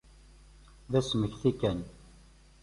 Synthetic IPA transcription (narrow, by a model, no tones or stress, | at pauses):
ðæsməçθikæn